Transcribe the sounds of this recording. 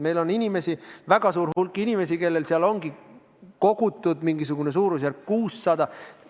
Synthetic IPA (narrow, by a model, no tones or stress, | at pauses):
me̞jlo̞nːinʲime̞sivæɡ̥ɑsuːɾhulkːˑinʲime̞s̬ike̞lːe̞lseɑlo̞ŋɡ̥i | ko̞ɡ̥ut̪ːˑud̪̥miŋɡis̬uɡ̥une̞suːɾus̬jæɾk̚kuːsːɑd̪̥ɑ